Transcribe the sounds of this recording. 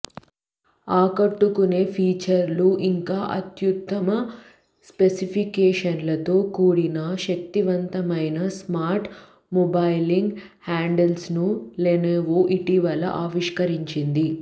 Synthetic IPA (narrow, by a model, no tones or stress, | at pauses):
aːkɐʈːukune̞ːpʰiːt͡ʃɐɾluʔiŋkaːʔɐt̪jut̪ːɐmɐ | spesipʰikɛːʂɐnlɐt̪o̞ːkuːɽinɐʃɐk̚t̪iʋɐnt̪ɐmɐjnɐsmaːɾʈ | mɔbɐjliŋɡ | haːɳɖelsnuleːneːʋoːʔiʈiʋɐlɐ̰ʔaːʋiʂkɐɾiɲt͡ʃind̪i